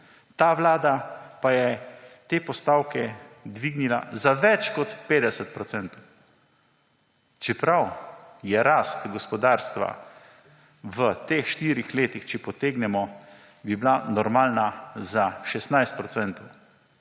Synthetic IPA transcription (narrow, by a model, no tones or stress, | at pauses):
t̪aːʋlaːd̪apajɛt̪eːpɔst̪awkɛd̪ʋiɡnila̰zaʋɛt͡ʃkɔt̪peːd̪ɛsɛt̪̚pɾɔt̪sɛnt̪ɔw | t͡ʃɛpɾawjɛɾaːst̪ɡɔspɔd̪aːɾst̪ʋa̰ | ʋət̪eːxʃt̪iːɾixleːt̪ixt͡ʃɛpɔt̪eːɡnɛmɔ | biblanɔɾmaːlnazaʃɛst̪najst̪̚pɾɔt̪sɛnt̪ɔw